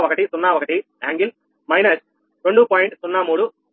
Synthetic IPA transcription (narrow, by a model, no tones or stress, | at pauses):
ʋɔkɐʈisunːaːʋɐkɐʈi | aːŋɡil | mɐɪnɐs | ɾoɳɖupoːjɪɳʈsunːaːmuːɽu